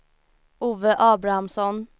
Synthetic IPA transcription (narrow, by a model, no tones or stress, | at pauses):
uːʋəʔɑːbɾɑɑmsɔn